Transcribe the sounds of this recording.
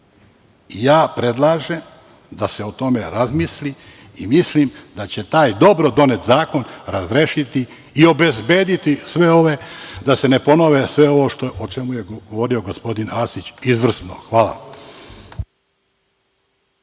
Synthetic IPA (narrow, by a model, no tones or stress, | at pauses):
ijaːpɾe̞d̪lˠaːʒe̞m | d̪ase̞o̞t̪o̞me̞ɾazmisliː | mislimd̪at͡ɕe̞t̪aːjd̪o̞bɾod̪o̞net̪zaːko̞nɾazɾeːʃit̪i | io̞be̞zbe̞ːd̪it̪isʋe̞o̞ʋe̞d̪ase̞ne̞po̞no̞ʋesʋe̞o̞ʋo̞ʃt̪oʔot͡ʃe̞mujeɡoʋo̞ɾioɡo̞spo̞d̪inasit͡ɕizʋr̩sno̰xʋaːla̰